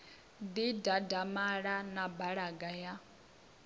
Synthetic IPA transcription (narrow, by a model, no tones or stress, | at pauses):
d̪idadamaɺanabaɺaɡaja